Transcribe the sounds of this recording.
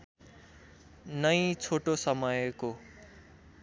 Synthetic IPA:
nʌjt͡sʰoʈosʌmʌjko

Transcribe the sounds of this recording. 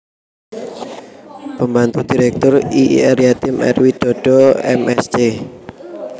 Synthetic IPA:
pəmbant̪ud̥̪i̤ɾɛk̚t̪ʊriʔɛɾjat̪ɪmɛ̰rwid̪̥ɔ̤ɖ̥ɔɛ̰mɛst͡ʃe

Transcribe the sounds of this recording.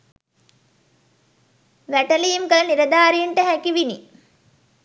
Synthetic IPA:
ʋæʈɐlijumkɐlɐniɾɐd̪aːɾiɳʈəɦækiʋini

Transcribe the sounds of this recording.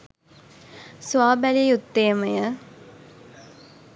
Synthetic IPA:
swaːbælijut̪ːeːmɐjə

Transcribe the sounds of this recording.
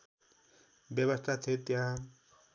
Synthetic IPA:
bjʌβʌst̪ʰat̪ʰet̪ja

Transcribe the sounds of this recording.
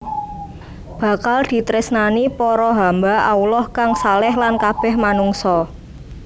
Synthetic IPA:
b̥a̤kald̪̥i̤t̪ɾɪsnanipɔɾɔɦambaʔaulɔhkaŋsalɛhlankab̥ɛ̤hmanuŋsɔ

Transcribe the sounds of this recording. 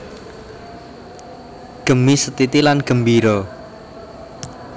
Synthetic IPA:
ɡ̥ə̤misət̪it̪ilanɡ̥ə̤mbiɾɔ

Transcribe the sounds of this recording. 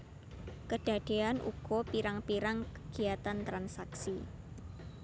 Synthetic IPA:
kəɖ̥a̤d̪̥e̤anʔṵɡ̥ɔ̤piɾaŋpiɾaŋkəɡ̥i̤at̪ant̪ɾansaksi

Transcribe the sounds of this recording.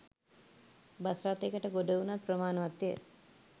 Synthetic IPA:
basɾaːt̪ːekəʈəɡoɖəunat̪̚prəmaːnəʋat̪ːijə̰

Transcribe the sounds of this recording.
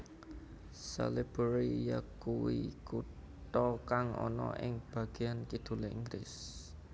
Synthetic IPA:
sa̰lib̥əɾijakuwikut̪ɔkaŋʔɔ̰nɔ̰ʔɪŋb̥ä̤ɡ̥e̤jankid̪̥ṳleiŋɡlɪs

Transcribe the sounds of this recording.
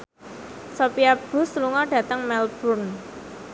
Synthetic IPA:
sopiab̥ʊ̤st̪luŋɔɖ̥ä̤t̪əŋmɛlb̥urn

